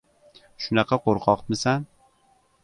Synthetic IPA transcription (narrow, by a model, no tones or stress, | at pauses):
ʃʊnɑqʰɑqʰoɾqʰɒqmɪsan